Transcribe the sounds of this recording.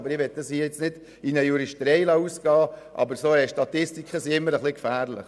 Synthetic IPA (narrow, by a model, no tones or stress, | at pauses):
bəɾɪʋɛt̪̚dɑshiːəjɪt͡snɪd̥ | inəjuɾiʃtɾɛɪlɑuːsɡ̥ɑːʔɑ̰bəɾsoːɛʃtɑt̪ɪstikχəsiɪmːəɾəχlikfæːɾlɪ̰χ